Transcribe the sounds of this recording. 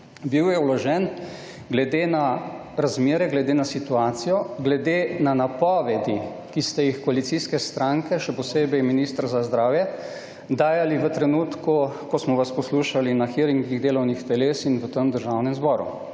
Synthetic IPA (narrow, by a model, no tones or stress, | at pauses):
biwjɛulɔʒɛn | ɡlɛd̪eːna | ɾazmeːɾɛɡlɛd̪eːnasit̪uaːt̪sijɔɡlɛd̪eːnanapɔʋɛd̪i | kist̪ɛjixkɔalit̪siskɛst̪ɾaŋkɛʃɛpɔseːbɛjminiːst̪ɾzazd̪ɾaːwjɛ | d̪aːjaliʋət̪ɾɛnuːt̪kukɔsmɔʋaspɔsluːʃalinaxiɾiŋɡiɣd̪eːlɔwnixt̪ɛleːsinʋət̪əmd̪əɾʒaːwnɛmzbɔɾṵ